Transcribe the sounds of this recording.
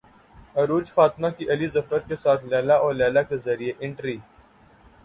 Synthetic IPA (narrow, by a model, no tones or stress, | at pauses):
ɐɾuːd͡ʒfaːt̪ɪmakiʔɐlizɐfəɾ̚kesaːt̪ʰlɛːlaʔɔːɾlɛːlakezɐɾieʔɪ̃ɳʈɾiː